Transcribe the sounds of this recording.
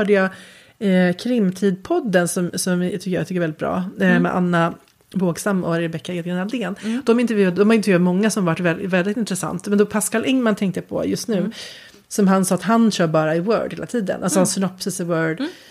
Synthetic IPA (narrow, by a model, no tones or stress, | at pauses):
hœːɖəjɑ | kʰɾɪmːt̪ʰiːd̪pʰɔd̪ːənsɔmsɔm̰t̪ʰʏkːəja̰t̪ʏkːəɾɛlɪt̪bɾɑ̰ːmɛ̰ʔa̰nːa | voːɡsamːɔ̰aɾɪɾbɛkːaɛːt̪ɡɛnald̪eːnd̪̥ɔmɪnt̪ɛɾvjʉ̟ːad̪əd̪ɔmhaɪnːmɔŋːasɔmavaʈːvɛlvɛld̪ɪt̪ɪnt̪ɾɛsa̰nt̪mɛnd̪ɔpʰaskalʔɛŋmant̪ʰɛŋkt̪əjapʰɔ̰jɵst̪nʉ̟ː | sɔmɦansɑːat̪ɦanɕœːɾbɑːɾaɪwœ̰ːɖheːlat̪ʰiːd̪ə̰nʔalsɔhansnɔpːsəsɛwœːɖ